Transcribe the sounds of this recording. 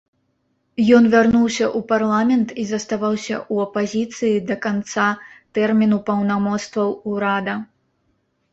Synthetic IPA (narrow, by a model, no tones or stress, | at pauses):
jɔnvʲarnuwsʲɐʔuparlˠamʲɛnt̪izɐst̪avawsʲɐ̰ʔuɐpazʲit̪sɨjid̪ɐkant̪sat̪ɛrmʲin̪upɐwnamɔt̪st̪vɐwuɾad̪ɐ